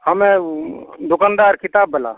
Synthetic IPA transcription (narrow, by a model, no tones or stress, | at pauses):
həme | d̪okənd̪aɾkʰit̪abːela̰